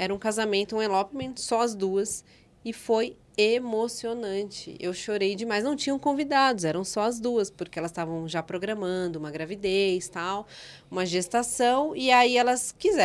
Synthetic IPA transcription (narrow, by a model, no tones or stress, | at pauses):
ɛɾɐũkazamẽnt̪ʊũelɔpmẽnt̪sɔɐzd̪uɐs | ɪfoj | emosionɐ̃nt͡ʃɪ̰ʔewʃoɾejd͡ʒɪmajznɐ̃w̃t͡ʃĩɲɐ̃w̃kõvid̪ad̪ʊzɛɾɐ̃w̃sɔɐzd̪uɐspoɾkeɛlɐst̪avɐ̃w̃ʒapɾoɡɾɐmɐ̃nd̪ʊũmɐɡɾavid̪ejst̪aw | ũmɐʒest̪asɐ̃w̃iaiɛlɐskizɛ